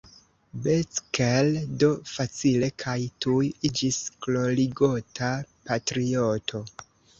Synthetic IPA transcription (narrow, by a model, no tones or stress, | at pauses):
bet͡skeldo̞fat͡sile̞kʰajtujid͡ʒisklo̞liɡo̞tʰapatɾio̞tʰo̞